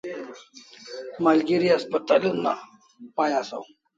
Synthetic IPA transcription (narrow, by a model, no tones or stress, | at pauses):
maːlɡiɾiɐspət̪a̰ːluna̰ | paːjasa̰u